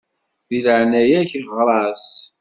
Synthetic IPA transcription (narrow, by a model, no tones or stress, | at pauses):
ðiləʕnæjæçʁɾˤɑs